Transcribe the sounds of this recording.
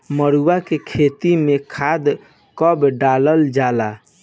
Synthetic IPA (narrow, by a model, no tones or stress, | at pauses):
məɽuakekʰet̪imekʰad̪ | kəbɖaləld͡ʒala